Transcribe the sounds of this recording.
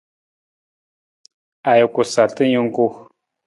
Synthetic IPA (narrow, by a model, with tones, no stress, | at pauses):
a˨jo˨ku˨sa˨tə˦ɲu˦ŋ˦ɡu˦